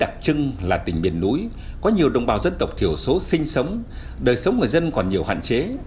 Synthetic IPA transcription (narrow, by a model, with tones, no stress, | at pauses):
ɗa˨˩k̚t͡ɕɨ˧ŋlaː˨˩t̪ï˧˩ŋ̟ɓḭ˨˩ənːu˨˦j | kɔ˨˦ɲi˨˩əwɗə̰˨˧˩wŋ͡mɓaː˨˩wzə˧nt̪ə˨˩wk͡p̚t̪ʰi˧˩əwso˨˦sï˧ŋ̟sə˨˦wŋ͡m | ɗəː˨˩jsə˨˦wŋ͡mŋɨ˨˩əjzə˧nkɔ˨˩nɲi˨˩əwha̰ː˧˨t͡ɕe˨˦